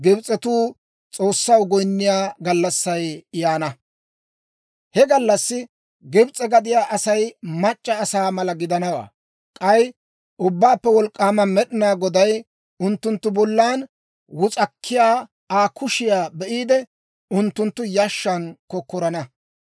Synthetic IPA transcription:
ɡɪbt͡sʼɛt̪uː | t͡sʼo̞ːsːɐwɡɔjnːɪjaːɡɐlːɐsːɐjɪjaːnɐ | hɛɡɐlːɐsːɪ | ɡɪbt͡sʼɛɡɐd̪ɪjaːʔɐsɐjmɐt͡ʃʼːɐːsaːmɐlɐɡɪd̪ɐnɐwa̰ː | kʼɐj | ʔʊbːaːpːɛwɔlkʼːaːmɐmɛɗɪnaːɡɔd̪ɐj | ʊnt̪ːʊnt̪ːʊbɔlːaːn | wʊt͡sʼɐkʰːɪjaː | aːkʰʊʃɪjaːbɛʔiːd̪ɛ | ʊnt̪ːʊnt̪ːʊjaʃːɐnkɔkːɔɾɐnɐ

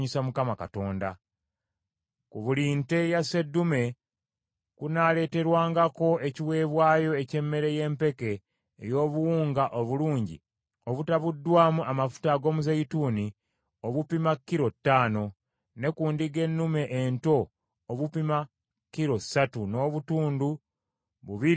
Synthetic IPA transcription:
ɲisamukamaka̰to̞ːnda̰ | kuβuliːnte̞jase̞dːume̞ | kunale̞ːte̞ɾwaːŋɡako̞ʔe̞ciwe̞ːβwaːjo̞ece̞mːe̞ɾe̞je̞ːmpe̞ke̞ː | jo̞ːβuwuːŋɡaʔoβuluːɲɟḭ | oβutaβudːwaːmuʔamafu̥taɡo̞ːmuzeituːni | oβupimakːiɾo̞tːaːno̞ | ne̞kuːndiɡe̞nːume̞ʔento̞ː | βupima | kːiɾo̞satuno̞ːβutuːndu | βuβiɾi

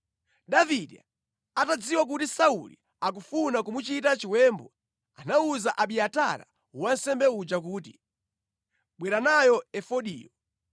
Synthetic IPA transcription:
ɗaviɗɛ̰ | atad͡ziwak̬utisaulḭ | ak̬ufunakumut͡ʃitat͡ʃiwɛːmbɔ | anauzaʔaɓiata̰ɾa̰ | wan̩sɛmbɛud͡ʒak̬uːt̬i | ɓwɛɾanajɔɛfɔɗḭːjɔ

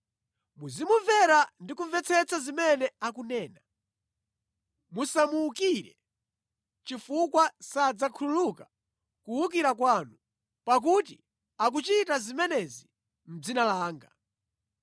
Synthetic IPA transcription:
muzimuvɛɾandikuɱvɛt͡sʰɛt͡sʰazimɛnɛakunɛːna | musamukiɾɛ̰ | t͡ʃifukwasad͡zakʰululuka | kuuk̬iɾakwaːnu | pak̬ut̬i | ak̬ut͡ʃitazimɛnɛzi | m̩d͡zinalaːŋɡa

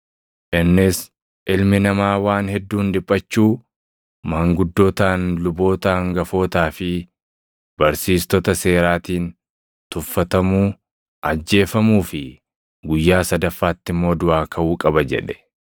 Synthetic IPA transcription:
ʔɪnːɪs | ʔɪlmɪnɐmaːwaːnhɛd̪ːuːnd̪ɪpʼːɐt͡ʃːuː | mɐŋɡʊd̪ːoːt̪aːnlʊbo̞ːt̪aːŋɡɐfo̞ːt̪aːfɪ | b̥ɐɾsiːst̪ɔt̪ɐse̞ːɾaːt̪iːn | t̪ʊfːɐt̪ɐmuː | ʔɐd͡ʒːe̞ːfɐmuːfɪ | ɡʊjːaːsɐd̪ɐfːaːt̪ːɪmːo̞ːd̪ʊaːkʰɐʔuːkʼɐbɐd͡ʒɛ̰ᶑɛ̥

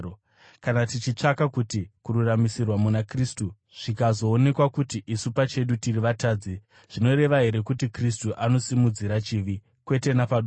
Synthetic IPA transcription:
kanatit͡ʃit͡ʂakakutikururamisirwamunakristu | ʐ̥ikazo̞ːne̞kwakutiʔisupat͡ʃe̞ɗutiriʋataːd͡zi | ʐ̥ino̞ɾe̞ʋaɦe̞ɾe̞kutikris̬tuʔano̞simud͡ziɾat͡ʃiːʋi | kwe̞te̞napau

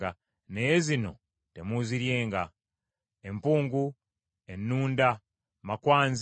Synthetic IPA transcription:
a | ne̞jezino̞̰ | te̞muziɾje̞ːŋɡa | empuːŋɡu | enːuːnda | makwaːnz

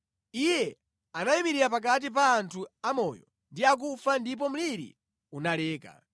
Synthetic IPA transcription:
ijɛ | anaimiɾiɾapak̬at̬ip̬aːntʰuamɔjɔ | ndiak̬ufandip̬ɔm̩liɾḭ | unalɛːka̰

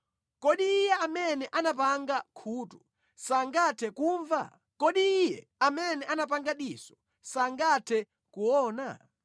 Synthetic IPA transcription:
kɔɗiːjɛamɛnɛʔanap̬aŋɡakʰuːtu | saŋɡatʰɛkuːɱva̰ | kɔɗiːjɛ | amɛnɛʔanap̬aŋɡaɗisɔ̥ | saŋɡatʰɛ | kuɔːna̰

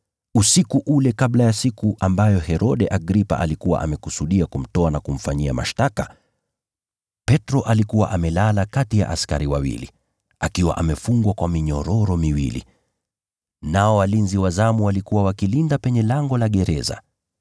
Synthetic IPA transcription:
usikuʔulɛkaɓlajasikuʔambajɔhɛɾɔɗɛʔaɡɾipa̰ʔalikuwa̰ʔa̰mɛkusuɗiakum̩tɔanakum̩faɲiama̰ʃtaka | pɛtɾɔʔalikuwaʔamɛlalakatija̰ʔaska̰ɾiwawḭlḭ | akiwa̰ʔamɛfuŋɡwakwamiɲɔɾɔɾɔmiwḭlḭ | naɔwalinziwazamuwalikuwawakilindapɛɲɛlaŋɡɔlaɠɛɾɛza̰

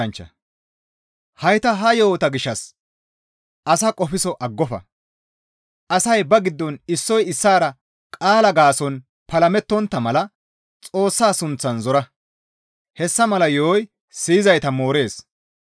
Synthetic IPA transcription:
ɐnt͡ʃːɐ̰ | hɐjt̪ɐɦɐjoːt̪ɐɡɪʃːɐs | ʔɐsɐkʼɔfɪsɔʔɐɡːɔfɐ̰ | ʔɐsɐjbɐɡɪd̪ːɔnɪsːɔjɪsːaːɾɐ | kʼaːlɐɡaːsɔn | pɐlɐmɛt̪ːɔnt̪ːɐmɐlɐ | t͡sʼo̞ːsːaːsʊnt͡sːɐnzɔɾɐ | hɛsːɐmɐlɐjoːj | siːɪzɐjt̪ɐmo̞ːɾe̞ːs

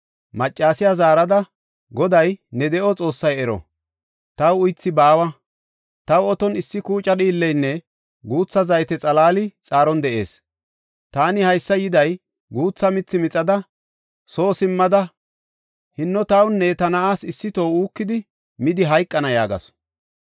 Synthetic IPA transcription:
mɐt͡ʃʼːaːsɪjazaːɾɐd̪ɐ | ɡɔd̪ɐjnɛd̪ɛʔɔt͡sʼo̞ːsːɐjɛɾɔ̰ | t̪ɐwʊjt͡sːɪbaːwɐ | t̪ɐwɔt̪ɔnɪsːɪkuːt͡ʃʼɐɗiːlːɛjnːɛ | ɡuːt͡sːɐzɐjt̪ɛt͡sʼɐlaːlɪt͡sʼaːɾɔnd̪ɛʔe̞̰ːs | t̪aːnɪhɐjsːɐjɪd̪ɐj | ɡuːt͡sːɐmɪt͡sːɪmɪt͡sʼɐd̪ɐ | so̞ːsɪmːɐd̪ɐ | hɪnːɔt̪ɐwnːɛt̪ɐnɐaːsɪsːɪt̪owuːkːɪd̪ɪ | mɪd̪ɪɦɐjkʼːɐnɐja̰ːɡɐ̰s

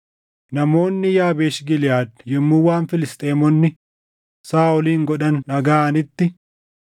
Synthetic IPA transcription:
nɐmo̞ːnːɪjaːbeːʃɡɪlɪjaːd̪̚jɛmːʊːwaːnfɪlɪst̪ʼeːmɔnːɪ | saːʊliːŋɡɔᶑɐnːɐɡaːɐnɪt̪ːɪ

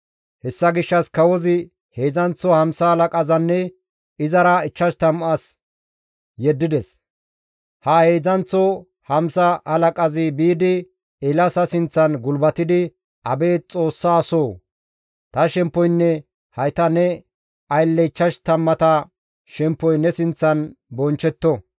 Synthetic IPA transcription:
hɛsːɐɡɪʃːɐskɐwɔzɪ | heːzɐnt͡sːɔhɐmsɐhɐlɐkʼɐzɐnːɛ | ɪzɐɾɐɪt͡ʃːɐʃt̪ɐmʔɐs | jɛd̪ːɪd̪ɛs | hɐhe̞ːd͡zɐnt͡sːɔ | hɐmsɐhɐlɐkʼɐzɪbiːd̪ɪ | ɪlɐsɐsɪnt͡sːɐnɡʊlbɐt̪ɪd̪ɪ | ʔɐbe̞ːt͡sʼo̞ːsːaːsoː | t̪ɐʃɛmpːɔjnːɛ | hɐjt̪ɐnɛ | ɐjlːɛɪt͡ʃːɐʃt̪ɐmːɐt̪ɐ | ʃɛmpːɔjnɛsɪnt͡sːɐnbɔnt͡ʃːɛt̪ːɔ

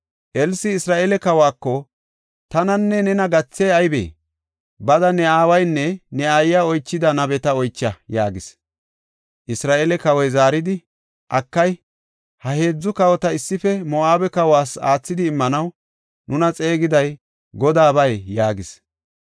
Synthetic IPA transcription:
ʔɛlsɪɪsɾaːʔeːlɛkɐwaːkːɔ | t̪ɐnɐnːɛnɛnɐɡɐt͡sːeːɐjbḛː | bɐd̪ɐnɛaːwɐjnːɛnɛajːaɔjt͡ʃːɪd̪ɐnɐbɛt̪ɐɔjt͡ʃːɐjaːɡɪs | ʔɪsɾaːʔelɛkɐwɔjzaːɾɪd̪ɪ | ʔɐkːɐj | hɐhe̞ːd͡zːʊkɐwɔt̪ɐɪsːɪfɛmɔʔaːbɛkɐwaːsaːt͡sːɪd̪ɪːmːɐnɐw | nʊnɐt͡sʼe̞ːɡɪd̪ɐj | ɡɔd̪aːbɐjjaːɡɪs

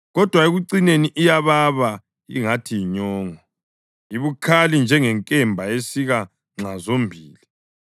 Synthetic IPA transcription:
ɣɔd̥ʱwaeɣuǀineniʔijaβaβa | ḭŋatʰijiɲɔːŋɔ | iβukʰalind͡ʒʱɛŋɛŋkʼɛmbʱaesiɣa | ŋ͡ǁazombʱiːli

